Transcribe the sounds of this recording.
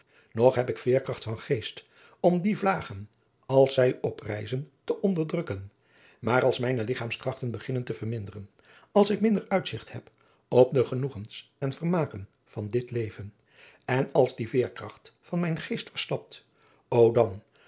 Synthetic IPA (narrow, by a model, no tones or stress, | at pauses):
nɔχɦɛpɪkfɪːɹkrɑχtfɑnχejst | ɔmdivlaːχən | ɑlˠsɛjɔprɛ̰jzəntəʔɔndəɹdrɵkən | maːɾɑlˠsmɛjnəlɪχaːmskrɑχtənbəχɪnəntəvəɹmɪndərən | ɑlˠsɪkmɪndəɹœɥtsɪχthɛp | ɔp̚dəχənuχənsɛnvəɹmaːkən | v̥ɑndɪtlejvən | ɛnɑlˠzdivɪːɹkrɑχtfɑnmɛjnχejstfəɹstɑp̚t | owdɑn